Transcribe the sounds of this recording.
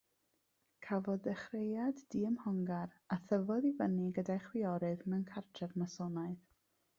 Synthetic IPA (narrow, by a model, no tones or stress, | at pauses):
kʰavɔðɛχrejaddiəmhɔŋɡaɾ | aθəvɔðivəniɡədajχwɪɔɾɨðmɛnkʰartʰrɛvmasɔnaɨð